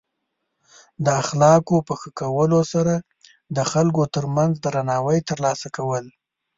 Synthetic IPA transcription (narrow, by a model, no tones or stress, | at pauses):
d̪əaxlɑkopəxəkawəlosaɾa | d̪əxalkot̪əɾmanzd̪əɾanɑwəjt̪əɾlɑsakawəl